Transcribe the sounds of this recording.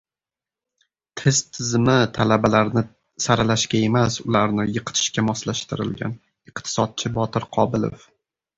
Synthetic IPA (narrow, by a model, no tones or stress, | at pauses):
t̪ʰɪz̥t̪ʰɪzmɪt̪ʰalabalaɾnɪ | saɾalaʃkʲae̞masʊlaɾnɪjɨqʰɨ̥t̪ʰɪ̥ʃkʲamɒslaʃt̪ɪɾɪ̰lɡʲa̰n | ɪqt̪ʰɪ̥sɒt̪̚t͡ʃʰɪbɒt̪ʰɪɾqʰɒbɪlḛf